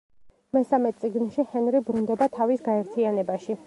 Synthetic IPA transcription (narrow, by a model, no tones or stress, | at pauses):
mɛsamɛt̪sʼiɡnʃihɛnɾibɾund̪ɛbat̪ʰavisɡaɛɾt̪ʰianɛbaʃi